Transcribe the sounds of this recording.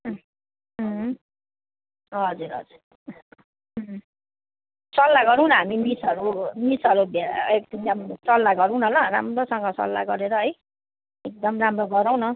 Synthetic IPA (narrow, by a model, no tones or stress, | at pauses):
ɦ | ɦʌd͡zuɾʌ̰d͡zuɾ | sʌlːaɡʌɾũɦnʌɦamimisʌɾumisʌɾubek̚d̪ʌmsʌlːaɡʌɾuɦnʌlʌɾa̰mɾosʌŋɡʌsʌ̰lːa̰ɡʌɾeɾʌɦʌj | ek̚d̪ʌmramroɡʌɾaw̃nʌ